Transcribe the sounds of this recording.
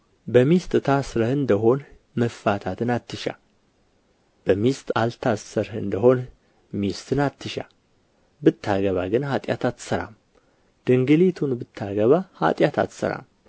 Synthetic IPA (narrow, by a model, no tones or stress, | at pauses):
bəmist̪ʼt̪ʰasɾəhɨnd̪əɦo̞n | məffat̪ʰat̪ʰɨnat̪ʰːɨʃa̰ | b̥əmist̪ʼalt̪ʰasəɾɨnd̪əho̞n | mist̪ʰɨnat̪ʰːɨʃa̰ | bɨt̪ʰːaɡəβaɡɨnhat̪ʼja̰t̪ʰat̪ːsəɾa̰m | d̪̥ɨŋɡɨlit̪ʰunbɨt̪ʰːaɡəβaha̰t̪ʼjat̪ʰa̰t̪sə̰ɾa̰m